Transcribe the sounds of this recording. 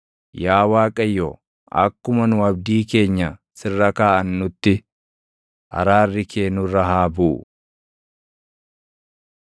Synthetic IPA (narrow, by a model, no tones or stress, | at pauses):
jaːwaːkʼɐjːɔ | ɐ̰kːʊmɐnʊɐb̚d̪iːke̞ːɲːɐ | sɪrːɐkaːʔɐnːʊt̪ːɪ | ʔɐ̰ɾaːrːɪkʰeːnʊɾɐɦaːbuːʔ